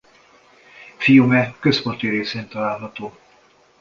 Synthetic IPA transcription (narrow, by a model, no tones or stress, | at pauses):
fijumɛkø̞spo̞nt̪iɾeːseːnt̪ɒlaːlɦɒt̪oː